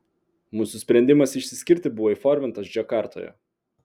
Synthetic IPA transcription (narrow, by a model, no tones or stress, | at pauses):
muːsʊsʲpʲɾʲɛnʲd̪ʲɪmɐsɪʃʲsʲɪsʲkʲɪɾʲt̪ʲɪbʊʋɔːiːˑfɔɾʲmʲɪnt̪ɐsd͡ʒʲɛkɑːˑɾt̪o̰ːjo̰